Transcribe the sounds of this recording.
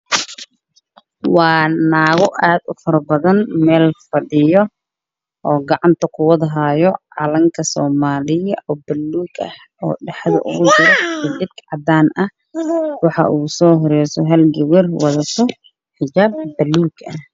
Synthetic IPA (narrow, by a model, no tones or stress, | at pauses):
wɑːnaːɣɔʔaːd̪ʊfɐɾɐbɐðɐnmɛːlfɐɖɪjɔ | ʔɔːɡɑʕɑnt̪ʰɐqʰʊwɐðɐɦaːjɔʕɑlɐŋkʰɐsɔːmaːlɪjɐʔɔbɐlːuːɡɐ̰h | ɔ̰ːɖɛħɑðɐ̰ʔʊ̰ɣʊd͡ʒɪɾɛkʰɐd̪ɪb̚kʕɑd̪aːnʔɐh | wɑħɑ̰ʔuːsɔːɦɔɾɛjsɔɦɐlɡɛwɪrwɑðɐt̪ʰɔ | ħɪd͡ʒaːb̚ːɐlːuːɡɐh